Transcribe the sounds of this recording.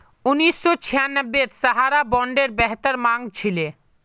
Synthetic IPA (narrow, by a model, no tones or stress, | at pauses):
uniʃːot͡ɕʰijanəbːeɾsaɦaɾabɔɳɖeɾbɛɦt̪aɾmaŋt͡ɕʰile